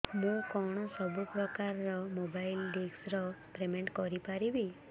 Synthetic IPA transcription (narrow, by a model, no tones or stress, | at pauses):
mũkɔɽ̃ɔsɔbupɾɔkaɾɔɾɔmobajlɖiɡsɾɔpɾemeɳʈkɔɾipaɾibi